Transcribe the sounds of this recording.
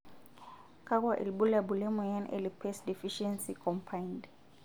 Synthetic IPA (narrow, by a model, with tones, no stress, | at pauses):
kʼa˦kʼwa˨ʔɪ̰˨lbʊ˦labʊ˨le˦mɔ˨ja˦nḛ˦lɪpʰɛsdi˨fiʃɛnsikʰɔmpʰa˦ind